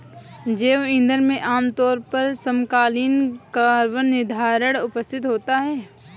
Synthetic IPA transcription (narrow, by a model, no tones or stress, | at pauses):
d͡ʒeːʋɪ̃nd̪əɾmẽʔaːmt̪ɔːɾpɐɾsəmkaːlɪnkaɾʋənːɪd̪ʱaːɾəɽ̃ʊpəst̪ʰɪt̪ɦoːt̪aɦɛː